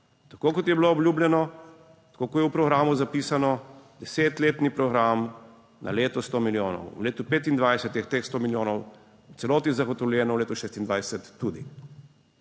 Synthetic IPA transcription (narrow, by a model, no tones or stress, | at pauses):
t̪akoːkɔt̪jɛbloɔbljuːblʲjɛnɔ | t̪ḁkokojɛwpɾɔɣɾaːmuzapiːsanɔd̪̥ɛseːt̪leːt̪nipɾɔɡɾam | nʔa̰leːt̪ɔst̪oːmiljoːnɔ̰wwleːt̪upeːt̪ind̪ʋajsɛt̪ːixt̪eːxst̪oːmiljoːnɔw | ut̪sɛloːt̪nizaɣɔt̪ɔwljɛːnɔwleːt̪uʃeːst̪ind̪ʋajsɛt̪ːud̪ḭ